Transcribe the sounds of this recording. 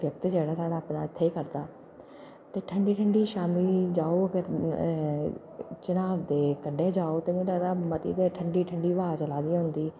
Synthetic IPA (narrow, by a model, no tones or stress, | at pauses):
ʋjɐk̚t̪d͡ʑeːɽasaːɽapnãt̪ʰeekɐɾt̪aː | t̪ɐʈʰɐ̃ɳɖiʈʰə̃ɳɖiʃaːmid͡ʑaːoɐɡəɾ | t͡ʃɐnaːʋd̪ekɐɖʱed͡ʒaːot̪ɐmĩd̪ad̪amɐt̪ḭd̪eʈʰɐ̃ɳɖiʈʰɐ̃ɳɖiʋaːt͡ʃɐlaːd̪ijãɦʊ̃nd̪iː